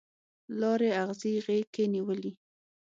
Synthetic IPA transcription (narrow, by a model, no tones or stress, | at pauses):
lɑɾeaɣziɣekeniwəli